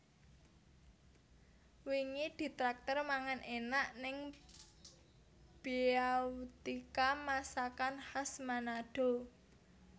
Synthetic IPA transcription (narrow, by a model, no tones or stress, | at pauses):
wiŋid̪̥i̤t̪ɾak̚t̪ərmaŋanʔenaʔnɪŋ | b̥iaut̪ikamasakanhasmanaɖ̥o̤